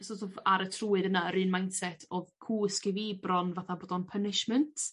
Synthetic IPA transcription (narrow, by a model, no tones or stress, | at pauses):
sɔtʰɔvaɾətʰruːɨdənaəɾɨːnmajnsɛtʰoːðkʰuːəskɪviːbrɔnvaθaboːdɔnpʰənɪʃməntʰ